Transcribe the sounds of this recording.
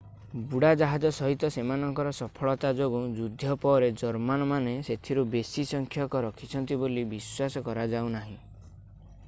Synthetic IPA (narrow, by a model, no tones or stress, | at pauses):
buɽad͡ʒaɦad͡ʒɔsɔɦit̪ɔsemanɔŋkɔɾɔsɔpʰɔɭɔt̪ad͡ʒoɡud͡ʒud̪ʱjɔpɔɾed͡ʒɔɾmanɔmaneset̪ʰiɾubesisɔŋkʰjɔkɔɾɔkʰit͡ʃʰɔnt̪̬ibolibiswasɔkɔɾad͡ʒaw̃naɦĩ